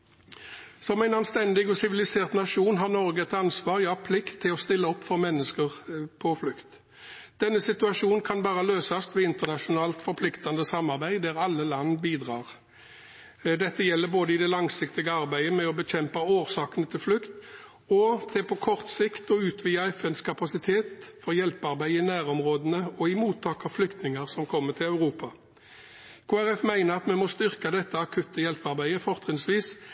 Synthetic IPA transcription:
sɔmæɪnɑnst̪ɛnd̪ɪɡɔsɪʋɪlɪseːʁt̪nɑʂuːnɦɑʁnɔʁɡəɛt̪ɑnsʋɑːʁjɑːpʰlɪkt̪ʰːɪlɔst̪ɪlːəɔpːfɔʁmɛnːəskəʁpʰɔflʉkt̪ | d̪̥ɛnːəsɪt̪ʉɑʂuːnkʰɑnbɑːʁəløːsɑst̪ʋɛɪnt̪əʁnɑʂʊnɑːlt̪fɔɾpʰlɪkt̪ɑnd̪əsɑmːɑʁbæɪd̪æʁɑlːəlɑnːbiːd̪ʁɑ̰ːʁ | d̪ɛt̪ːəjɛlːəboːd̪əɪd̪ɛlɑŋsɪkt̪ɪɡəɑʁbæɪəmɛɔbəçɛmpəoːʁsɑːkənət̪ʰɪlflʉkt̪ | ɔt̪ʰeːpʰɔkʰɔʁt̪sɪkt̪ɔʉːt̪ʰʋijɑɛfɛnskʰɑpɑsɪt̪ʰeːt̪fɔʁjɛlpɑʁbæɪɪnæːʁɔmʁoːd̪ənəɔɪmuːt̪ʰːɑːkɑflʏkt̪nɪŋəʁsɔmkʰɔmːət̪ʰɪlɑʉʁuːpɑ | kʰoːæʁɛfmæɪnəʁɑt̪mɛmɔst̪ʏʁkɑd̪ɛt̪ːəɑkʰʉt̪ːəjɛlpɑʁbæɪəfɔʁt̪ʁɪnsʋiːs

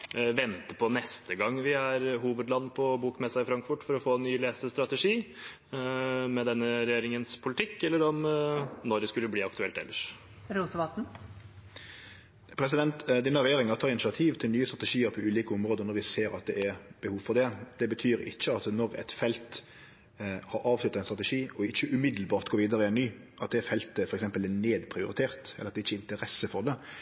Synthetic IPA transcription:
ʋɛnt̪əpʰɔnɛst̪ʰəɡɑŋːʋɪæɾɦuːʋəd̪lɑnːpʰɔbuːkmɛsːɑɪfɾɑŋkfʊʈfɔɾɔfoːnːyːleːsəst̪ɾɑt̪ɛʂiː | mɛd̪ɛnːəɾɛjeːɾɪŋənspʰʊlɪt̪ɪkːɛlːəɾɔmnɔɾd̪ɛskʉlːəbliːɑkt̪ʉɛlt̪ɛ̰lːəʂ | ɾuːt̪əʋɑt̪n̩ | pʰɾɛs̬ɪd̪ɛnt̪d̪iːnəɾɛjeːʁɪŋəɾt̪ʰɑːɾɪnɪsɪɑt̪ʰiːʋt̪ʰɪlnyːəst̪ʁɑt̪ɛʂiːəɾpʰɔʉːliːkəɔmɾʁoːd̪ənɔɾʋɪseːɾɑt̪̚d̪ɛ̰ɛɾb̥əhuːʋfɔd̪ɛd̪̥ɛbət̪ʰyːɾɪ̰çːəɑt̪nɔɾɛ̰t̪fɛlt̪ | hɑɾɑːʋslʉt̪ːəʁæɪnst̪ɾɑt̪ɛʂiːɔɪçːəʔʉmɪd̪lbɑːɾt̪ɡoːʋiːd̪əɾəɪɛnnyː | ʔɑt̪̚d̪ɛfɛlt̪əfɔɾɛksɛmpəlæneːd̪pʰɾɪʊɾɪt̪ʰeːɾt̪ɛ̰lːɾɑt̪d̪ɛɪçːəɛɪnt̪əʁɛsːəfɔɾd̪ɛ

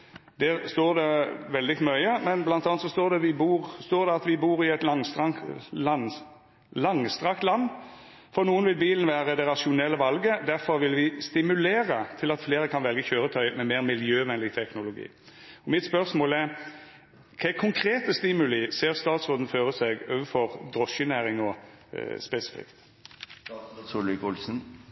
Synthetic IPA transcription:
d̪æʁst̪oːʁd̪ɛʋɛld̪ɪfɔmœʏəmɛnblɑnt̪ɑːnt̪sɔst̪oːʁd̪ɛʋɪbuːɾst̪oːd̪ɛɑt̪ʋɪbuːʁɪɛt̪lɑŋst̪ʁɑlɑn | lɑŋst̪ʁɑkt̪lɑnː | fɔʁnuːənʋɪlbiːlən̩ʋæːʁəd̪ɛʁɑʃɪʊnɛlːəʋɑlɡəd̪æɾfɔɾʋɪlʋɪst̪ɪmʉleːʁət̪ʰɪlɑt̪fleːɾəkʰɑnʋɛlɡəçøːɾət̪ʰœʏmɛmeːʁmɪljøːʋɛnlɪɡ̚t̪ʰɛknʊlʊɡḭː | ɔmɪt̪spœʁsmoːlɛɾ | kʰɛɪkʰʊŋkʰɾeːt̪əst̪ɪmʉlɪseːʁst̪ɑːt̪sʁoːd̪n̩føːʁəsɛɡoːʋəfɔʁd̪ʁɔʃənæːʁɪŋɔ | spɛsɪ̥fɪ̰kt̪ | sʊlɪkʊlsn̩

